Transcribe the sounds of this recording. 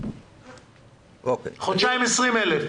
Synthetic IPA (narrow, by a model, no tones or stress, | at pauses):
okeχot͡ʃajmesʁimelef